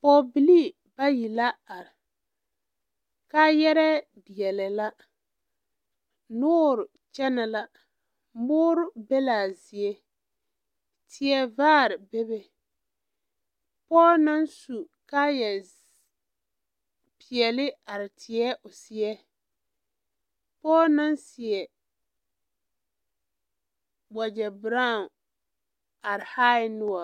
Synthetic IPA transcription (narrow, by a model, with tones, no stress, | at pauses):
pɔ˦˨bi˨li˦ | ba˦ji˨la˦a˨ɾɪ˨ | ka˦jɛ˦ɾɛ˦ | di˨ɛ˨lɛ˨la˦ | nʊː˦ɾʊ˨ | t͡ʃɛ˦na˨la˦ | mʊː˦ɾʊ˦bɛ˦la˨zɪ˨ɛ˦ | tʰɪ˨ɛ˦vaː˦˨ɾɪ˨bɛ˦bɛ˨ | pɔː˦na˦nsu˨ | ka˦jɛ˨z | pʰɪ˨ɛ˨lɪ˦a˨ɾɪ˨tʰɪ˨ɛ˦ʔʊ˨sɪ˨ɛ˦ | pɔː˦na˦nsɪ˨ɛ˨ | wa˨d͡ʒɛ˨bɾa˦˨ | a˨ɾɪ˨haː˦nʊ˦ɔ˨